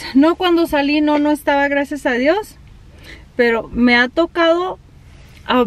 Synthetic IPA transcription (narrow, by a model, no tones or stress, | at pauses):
no̞kwand̪o̞salino̞no̞est̪aβaɣɾasjasaðjo̞s | pe̞ɾo̞me̞at̪o̞kaðo̞ | a